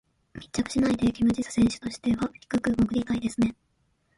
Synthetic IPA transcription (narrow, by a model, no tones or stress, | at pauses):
mʲi̥tt͡ɕːakɯ̟̥ɕinaid̪e̞kʲimɯ̟d͡ʑisɨ̥sẽ̞ɰ̃ɕɨ̥t̪o̞ɕi̥t̪e̞βaçi̥kɯ̟kɯ̟ɡokɯ̟d̪ʲit̪aid̪e̞sɨne̞